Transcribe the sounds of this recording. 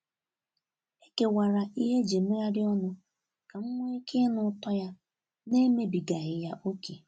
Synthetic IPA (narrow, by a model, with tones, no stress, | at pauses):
e˦ke˨wa˨ɾa˨ʔi˦ɦe˦d͡ʒe˨me˦ɾa˦ɾɪ˦ɔ˦nʊ˦ | ka˨ŋ̩˦ŋʷɔ˦e˦kʰe˦nʊ˦tɔ˦ja˦ | ne˦me˦bi˨ɡa˨ɣɪ˨ja˦ʔo˦kʰe˨